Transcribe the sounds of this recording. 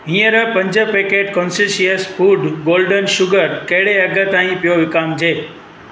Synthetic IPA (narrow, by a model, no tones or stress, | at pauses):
ɦĩjəɾəpə̃ɲd͡ʒəpekeʈkɔnsiʃiəsfuɖɡolɖənʃʊɡəɾkeɽeəɡət̪ãɦĩpjoʋɪkamd͡ʒʰeː